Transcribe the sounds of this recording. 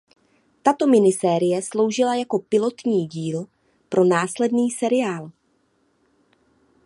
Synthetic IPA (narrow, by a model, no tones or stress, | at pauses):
t̪at̪o̞mɪnɪsɛːɾɪjɛslo̞wʒɪlajako̞pɪlo̞t̪ɲiːɟiːl | pɾʔo̞naːslɛdniːsɛɾɪaːl